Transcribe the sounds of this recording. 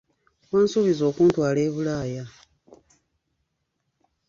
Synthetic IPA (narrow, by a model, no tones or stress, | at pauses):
waːnsuβizo̞ːkuːntwaːle̞ːβulaːja